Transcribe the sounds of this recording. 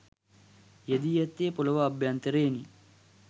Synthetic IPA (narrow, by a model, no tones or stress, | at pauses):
jed̪ijɐt̪ːeːpulɐʋɐːbʱjant̪ɐɾeːni